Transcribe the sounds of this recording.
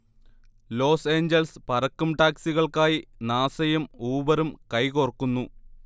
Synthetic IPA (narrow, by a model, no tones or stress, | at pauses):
lo̞ːse̞ːɲd͡ʑɐlspɐɾɐkːumʈaːksiɣɐɭkaːjinaːsɐjɐmuːbɐɾumkɐjkorkːunːu